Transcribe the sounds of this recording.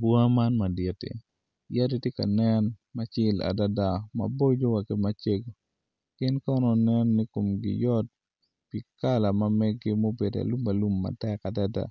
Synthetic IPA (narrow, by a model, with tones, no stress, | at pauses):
bwa˦ma˦nma˨dɪ˨tḭ˨ | ja˦di˦tje˦ka̰˨nɛ˦nma˦t͡ʃɪ˦la̰˨da˦da˨ma̰˨bo˦d͡ʒo˦wa˨kɪ˦ma˦t͡ʃe˦ɡo˨ | kɪ˦nkɔ˦nɔ˨nɛ˦nni˦ko˨mɡɪ̰˨jɔ˦t̚ | pi˨ka˦la˨mɐ˦mɛ˦ɡɪ˦mo˦be˨da̰˨lu˦ma˨lu˦mːa̰˨tɛ˦ka˨da˦da̰˨